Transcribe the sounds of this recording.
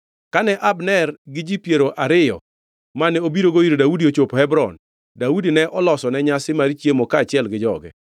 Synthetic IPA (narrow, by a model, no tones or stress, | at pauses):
kanɛʔabnɛrɡɪd͡ʒipjeɾoʔaɾɪjɔ̰ | manɛobiɾoɡoiɾodaudiot͡ʃophɛbɾɔ̰n | daudinɛʔɔlɔsɔnɛɲasɪmaɾit͡ʃjemokaːt͡ʃɪɛlɡɪd͡ʒɔɡɛ̰